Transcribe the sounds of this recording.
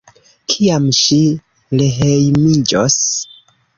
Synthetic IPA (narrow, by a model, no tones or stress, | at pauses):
kʰiamʃi | leɦejmid͡ʒos